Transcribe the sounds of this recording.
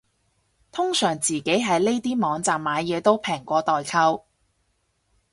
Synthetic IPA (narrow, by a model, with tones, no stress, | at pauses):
t̪ʰʊ˥ŋsœː˨˩ŋt͡siː˨ke˨˥jɦɐ˨˧jle˥jt̪iː˥mɔː˨˧ŋt͡saː˨mːaː˨˧jɛː˨˧t̪o˥wpʰɛː˨˩ŋkʷɔː˧t̪ɔː˨jkʰɐ˧w